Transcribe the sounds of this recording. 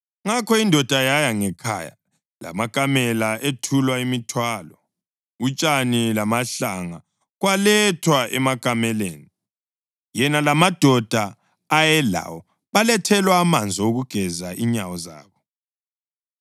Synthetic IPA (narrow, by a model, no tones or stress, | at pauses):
ŋakʰɔindʱɔd̥ʱajajaŋɛkʰa̰ːja̰ | la̰maɡ̥ʼʱamɛlaʔetʰulwaimitʰwaːlɔ | ut͡ʃʼanilamaɬaŋa | ɣwalɛtʰwaʔɛmaɡ̥ʱamɛlḛːni | jɛnalamad̥ʱɔd̥ʱaː | jɛla̰wɔ | βalɛtʰɛlwaːmand͡zʱɔoɣuɡ̥ʱɛzaʔiɲawɔza̰ːβɔ